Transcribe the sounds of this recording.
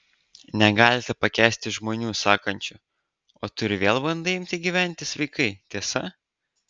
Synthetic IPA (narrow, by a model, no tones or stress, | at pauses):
nʲɛɡɑːlʲɪt̪ʲɛpɐkʲæːsʲt̪ʲɪʒmoːnʲuːsɑːkɐnʲt͡ʃʲʊ | oːt̪ʊɾʲɪʋʲeːlˠbɐnd̪ɐɪmʲt̪ʲɪɡʲiːʋʲæˑnʲt̪ʲɪsʋɐɪkɐɪt̪ʲiɛsɐ